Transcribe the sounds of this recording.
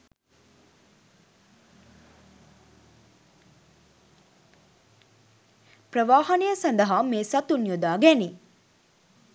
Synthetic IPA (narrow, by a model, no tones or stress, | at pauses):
pɾɐʋaːhɐnijɐsɐnd̪ɐɦaːmeːsɐt̪unjud̪aːɡeni